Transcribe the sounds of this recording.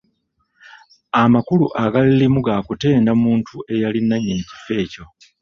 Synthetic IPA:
amakuluʔaɡalilimuɡakute̞ːndamuːntʰuʔe̞jalinːaɲːenici̥fe̞ːco̞

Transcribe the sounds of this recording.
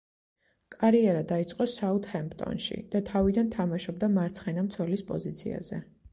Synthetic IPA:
kʼaɾiɛɾad̪ait̪sʼqʼɔsaut̪hɛmpt̪ʼɔ̰nʃḭd̪̥at̪ʰavid̪ant̪ʰamaʃɔb̚d̪amaɾt̪sʰχɛnamt̪sʰwɛlispʼɔ̰zit̪sʰḭa̰zɛ̰

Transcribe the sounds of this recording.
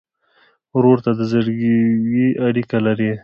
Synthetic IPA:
ɾoɾt̪ad̪əzəɾɡwiaɽikalaɾi

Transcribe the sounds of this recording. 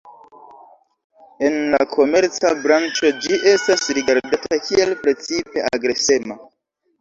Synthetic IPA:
e̞nlakʰo̞me̞ɾt͡sabɾant͡ʃo̞d͡ʒiʔe̞stasɾiɡaɾdatʰakʰie̞lpɾe̞t͡sipe̞a̰ɡɾe̞se̞ma

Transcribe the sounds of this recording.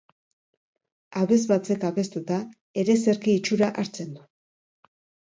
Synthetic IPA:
aβe̞zβat͡se̞kaβe̞st̪ut̪a | e̞ɾe̞se̞ɾkiːt͡ʃuɾaʔaɾt͡se̞nd̪u

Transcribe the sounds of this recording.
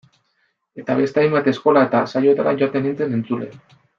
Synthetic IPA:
e̞t̪aβe̞st̪eajmbat̪e̞sko̞laet̪asajo̞et̪aɾaʝo̞at̪enent͡se̞ne̞nt͡sule̞̰

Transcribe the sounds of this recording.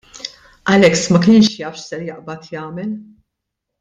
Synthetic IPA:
ʔɐlɛksmɐkɪːnʃjɐːfʃsɛɾjɐʔbɐt̪jɐːmɛl

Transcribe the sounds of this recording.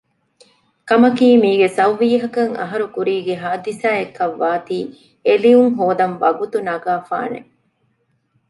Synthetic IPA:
kɐmɐkiːmiːɡesɐʋːiːɦɐkɐŋɐ̰ɦɐɾukuɾiːɡeɦaːd̪isaːekːɐʋːaːt̪iː | elijuŋɦoːd̪ɐnʋɐɡut̪unɐɡaːfa̰ːnḛ

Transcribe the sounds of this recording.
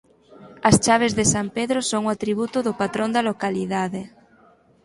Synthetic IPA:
ɐst͡ʃaβ̞ezðesampeðɾosoŋoat̪ɾiβ̞ut̪ʊðʊpat̪ɾõnd̪alokaliðaðe

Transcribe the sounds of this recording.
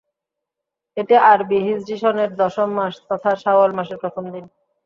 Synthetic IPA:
eʈeʔaɾbiɦid͡ʑd͡ʑiʃoneɾd̪ɔʃomːaʃt̪ɔt̪ʰaʃaalmaʃeɾpɾot̪ʰomd̪in

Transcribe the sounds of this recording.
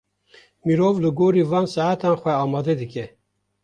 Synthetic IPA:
miɾoːvlɨɡoːɾiːvɑːnsaʕat̪ɑːnxʷɛɑːmɑːd̪ɛd̪ɨkɛ

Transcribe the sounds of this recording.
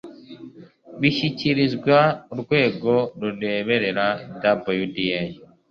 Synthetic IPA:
βiʃiciɾizɡwaɾɡwe̞ːɡo̞ɾueβeɾeɾadabojudijeji

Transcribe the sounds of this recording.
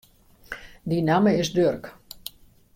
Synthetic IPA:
dinaməɪsdørk

